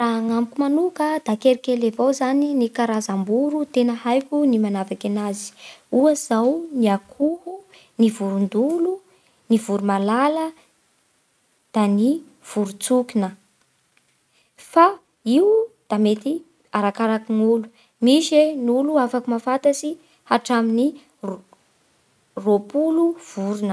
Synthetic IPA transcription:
raaŋamukumanukəd̪akeɾikelevowzaninikaɾazambuɾut̪enəhajkunimanavakanazi̥uəz̥awniakʰuhu | nivuɾund̪ulu | nivuɾumalalə | d̪̥ani | v̥uɾut͡sukinə | fa | iud̪̥amet̪i | aɾakaɾakiŋulu | miʃenuluafakumafat̪asi | haʈ͡ʂamini | ropuluv̥uɾunə

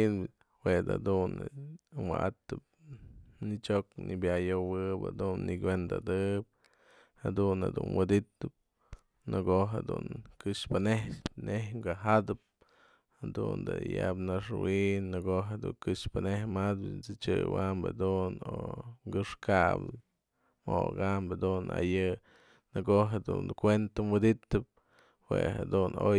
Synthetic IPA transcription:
n | wed̪a̰d̪unɨwaʔat̪ɨp̚nit͡ʃoknibjajowɨpa̰d̪unːiɡend̪a̰d̪ɨp̚ | had̪unad̪ṵnwɨd̪it̪ɨp̚ | nɨɡoɦad̪ṵnkɨʂpanehnehŋɡaɦad̪ɨp̚ | had̪und̪ɨjapnaʂwinnɨɡoɦed̪uŋkɨʂpɨnehmad̪nt͡sɨt͡ʃɨwambḛd̪unoŋɡɨʂkabɨ | moɡambed̪una̰jɨ | nɨɡoɦed̪unkʷent̪amwid̪it̪ɨp̚ | wehad̪uno

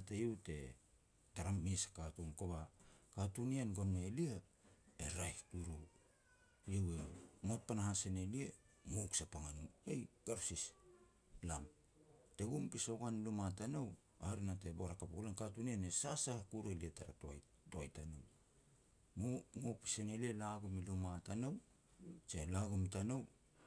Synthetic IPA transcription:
atejewte̞̰ | taɾamisḁkatunkoβakatunianɡomnaeliaeɾajhtuɾu | jewemot̚panahasenelie | moksapaŋanuejɡ̥aɾsis | lam | te̞ɡumpisoɡanilumatanow | aɾinate̞boɾakapuɡlenkatunianesasahkuɾelietaɾa̰to | toajtano̰w | momopi̥sene̞lielaɡumilumatanow | t͡ʃelaɡumitanow

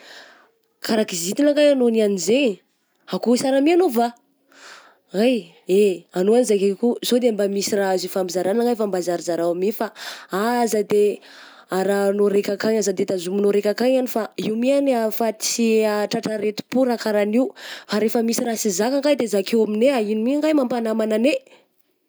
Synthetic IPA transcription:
kʰaɾakizit̪inaŋɡajanonianizeɲ | akusaɾamianuva | aj | eanoanizakekuz̥od̪eambamisiraazifambizaɾanaŋɡajfambazaɾizaɾaamefaazəd̪e | aɾanoɾekʲakaɲazad̪et̪azuminoɾekʲakaŋanifaiwmianafat̪i̥siaʈ͡ʂaʈ͡ʂaɾet̪u̥puɾakaɾaniwfaɾefəmisirasizakaŋɡajd̪ezakʰewamineainimiaŋɡajmampanamanane

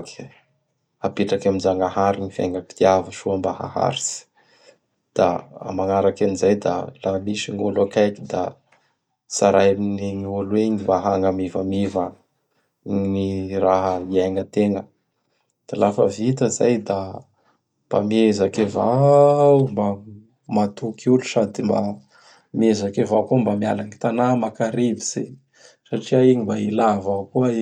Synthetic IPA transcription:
k | apeʈ͡ʂakaminzaŋaɦaɾinifa̰jŋɡaki̥t̪iavəʃuambaha̰ha̰ɾisi̥ | d̪̥a̰a̰maŋaɾakanizajd̪a̰lamisiŋolakajkid̪a | saɾajaminiɲiolweɲivaɦaŋamivamivə | ɲiraɦəiajŋət̪eŋə | d̪̥alafə̰vit̪əzajd̪a | mb̥a̰mezakevawmba | mat̪ukʰulusad̪imba̰ | mezakevawkuəmbamia̰laŋit̪anamakaɾibiz̥e | saʈ͡ʂiaiɲimbailavakuai

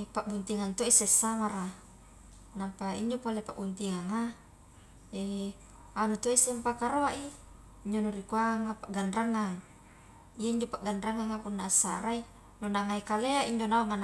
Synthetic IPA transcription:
paʔbunt̪iŋant̪oisesːamaɾa | nampaḭɲd͡ʒopolepaʔbunt̪iŋaŋa | e | anut̪oisɛmpakaɾoaʔiː | ɲd͡ʒonuɾikuaŋapaʔɡanraŋaŋ | ijaiɲd͡ʒopaʔɡanraŋaŋapunːaːsːa̰ɾai | nonaŋaikaleaiɲd͡ʒonaoŋan

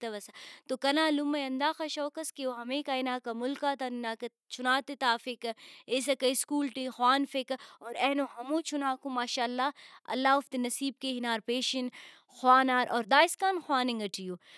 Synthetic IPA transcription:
t̪ɐʋɐsat̪okɐnaːlʊmːɐjɐnd̪aːxɐʃɔːkɐskioɦɐmẽːkaːinaːkamʊlkaːt̪aninaːk | t͡ʃʰʊnaːt̪et̪aːfɪkeːs̬ɐkɐiskuːlʈixwaːnfɪkɔːɾɛːnoɦɐmõːt͡ʃʰunaːkũmaːʃaːlːaːɐ̰lːaːʊft̪enɐsiːb̚keɦinaːɾpeːʃɐn | xwaːnaːɾʔɔːɾd̪aːɪskaːnxwaːniŋɡɐʈʰijoː

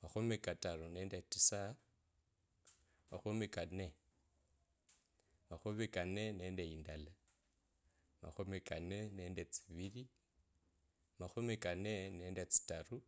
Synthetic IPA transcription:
maxumikataɾuneːndetisa | maxumikane | maxumikaneneːndeindala | ma̰xumikaneneːndet͡si̥βiɾi | maxumikaneneːndet͡si̥taru

